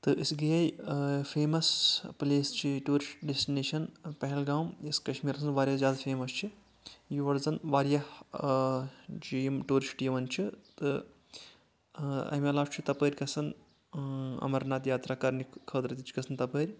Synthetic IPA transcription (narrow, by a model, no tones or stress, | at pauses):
t̪ɨʔɨsɡɐjaːjfʰeːmɐspɨleːst͡ʃʰiʈuːɾisʈɖesʈineːʃɐnpɐɦɛlɡaːmiskɐʃmiːɾɐsɨnʋaːɾʲjɐzʲjaːd̪ɐfʰeːmɐst͡ʃʰi | jiʋɐɽzɐnʋaːɾjɐh | d͡ʒiːmʈuːɾisʈʈiːʋɐnt͡ʃʰit̪ɨ | ɐ̰mɐlaːt͡ʃʰit̪ɐpəːɾʲkɐsɐn | ɐ̰mɐɾnaːt̪jaːt̪ɾaːkɐɾnikkʰːəːt̪ɾɐt̪ʲit͡ʃʰi̥kɐsʰɨnt̪ɐpəːɾʲ